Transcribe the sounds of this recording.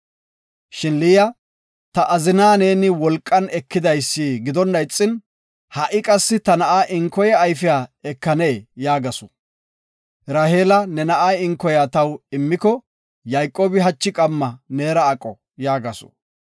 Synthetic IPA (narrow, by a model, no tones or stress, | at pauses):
ʃɪnlijɐ | t̪ɐʔɐzɪnaːne̞ːnɪwɔlkʼːɐnɛkːɪd̪ɐjsːiːɡɪd̪ɔnːɐjt͡sʼːɪn | hɐʔɪkʼɐsːɪt̪ɐnɐʔaːʔɪŋkɔjɛːjfɪjaːɛkːɐneːjaːɡɐsʊ̥ | ɾaːheːlɐnɛnɐʔaːɪŋkːɔjat̪ɐwɪmːɪkɔ | jɐjkʼːo̞ːbɪɦɐt͡ʃːɪkʼɐmːɐne̞ːɾɐːkʼːɔ | jaːɡɐsʊ̥̰